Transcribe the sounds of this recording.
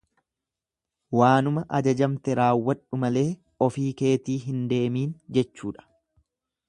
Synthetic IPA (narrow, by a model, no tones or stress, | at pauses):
waːnʊmɐʔɐd͡ʒɐd͡ʒɐmt̪ɛɾaːwːɐᶑʊmɐle̞ː | ɔfiːke̞ːt̪iːɦɪnd̪e̞ːmiːnd͡ʒɛt͡ʃːuːᶑɐ̥